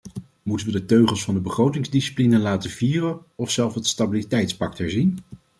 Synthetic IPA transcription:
mutəʋədətøɥχəlˠsfɑndəbəχrowtɪŋzdisi̥plinənlaːtəviːrən | ɔfsɛlˠfətstabilitɛjtspɑk̚tɛɹzin

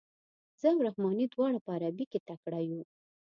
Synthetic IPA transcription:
z̥əawɾahmɑnid̪wɑɽapəaɾabiket̪akɽaju

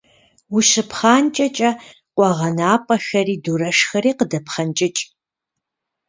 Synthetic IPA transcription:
wuɕɨpχaːnt͡ʃʼɐt͡ʃʼɐ | qʷʼɔʁɐnaːpʼɐxɐriːduɾɐʂxɐɾiːqədɐpχɐnt͡ʃʼɪt͡ʃʼ

